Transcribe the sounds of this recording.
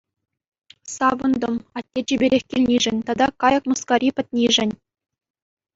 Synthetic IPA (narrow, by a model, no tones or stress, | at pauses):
sɑʋɤ̆nd̪ŏmɑt̪ʲːet͡ɕĭbʲeɾʲexʲkʲilʲnʲiʐɘ̆nʲt̪ɑd̪ɑkɑjɤ̆kmuskɑrʲipʲɘ̆t̪̚ʲnʲiʐɘ̆nʲ